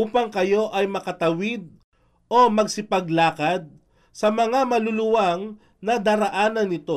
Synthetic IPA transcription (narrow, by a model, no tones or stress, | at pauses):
ʔuːpɐŋkɐjo̞ʔɐjmɐkɐt̪ɐwid̪̚ | ʔo̞mɐɡ̚sɪpɐɡlaːkɐd̪̚ | sɐmɐŋamɐlʊlʊwaŋ | nɐd̪aːɾɐʔaːnɐnɪt̪o̞